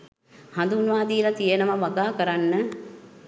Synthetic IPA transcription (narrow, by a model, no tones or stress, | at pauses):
hand̪unʋaːd̪iːlat̪ijenəʋaʋaɡaːkəɾanːə